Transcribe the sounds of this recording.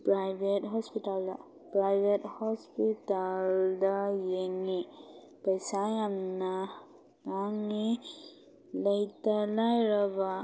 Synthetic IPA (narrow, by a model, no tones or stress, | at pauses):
pɹajbetɦɔspitalda̰ | pɾajbethɔspitaldajeŋi | pəjsajanna | kaŋi | ləjtalajɾɔba